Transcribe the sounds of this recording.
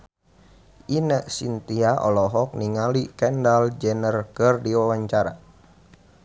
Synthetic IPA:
ʔinəʔsint̪iaʔɔlɔɦɔk̚niŋalikɛndald͡ʒənərkərdiwawaɲt͡ʃaɾa

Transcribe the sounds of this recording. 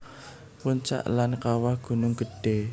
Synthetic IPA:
puɲt͡ʃa̰ʔlankawahɡ̥ṳnʊŋɡ̥ə̤ɖ̥e

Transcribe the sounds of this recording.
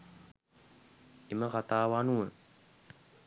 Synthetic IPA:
eməkat̪aːʋanuə

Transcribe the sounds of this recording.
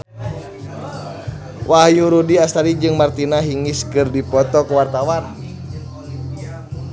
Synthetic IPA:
wahjuɾudiast̪aɾid͡ʒɨŋmart̪inaɦiŋiskɨrdipɔt̪ɔkuwart̪awan

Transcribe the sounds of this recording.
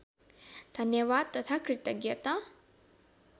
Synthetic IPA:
d̪̥ʱɐnjɐʋaːd̪̚t̪ːɐt̪ʰakɾɪt̪ɐɡjɐt̪a

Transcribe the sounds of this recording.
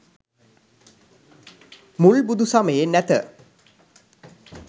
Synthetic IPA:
muɭbud̪usaməjenæt̪ə

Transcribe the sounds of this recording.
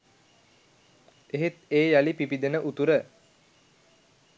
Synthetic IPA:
eɦet̪eːjalipipid̪enəʔut̪uɾə

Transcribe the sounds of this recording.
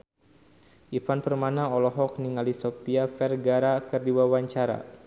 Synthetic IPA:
ʔifanpərmanaɔlɔɦɔk̚niŋalisɔpiafɛrɡaɾakərdiwawaɲt͡ʃaɾa̰

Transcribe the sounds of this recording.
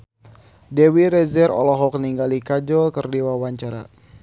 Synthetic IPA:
dɛwiɾɛzɛɾɔ̰lɔɦɔkəniŋɡalikad͡ʒɔlkərdiwawaɲt͡ʃaɾa̰

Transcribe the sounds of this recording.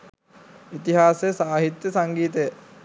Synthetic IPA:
it̪iɦaːsejsaːɦit̪jəsaŋɡiːt̪ejə

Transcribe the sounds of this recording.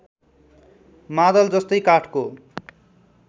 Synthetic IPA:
mad̪ʌld͡zʌst̪ʌjkaʈʰko

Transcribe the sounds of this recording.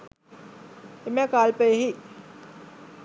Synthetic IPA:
emɛkaːlpəeɦi

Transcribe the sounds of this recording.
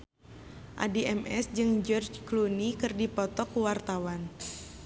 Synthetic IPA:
ʔa̰diɛmɛsd͡ʒɨŋd͡ʒɔrd͡ʒklunikɨrdipɔt̪ɔkuwart̪awan

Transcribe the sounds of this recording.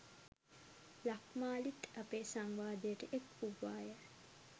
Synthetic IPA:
lakmaːlit̪apeːsaŋʋaːd̪ejəʈəʔekuʋːaːjə

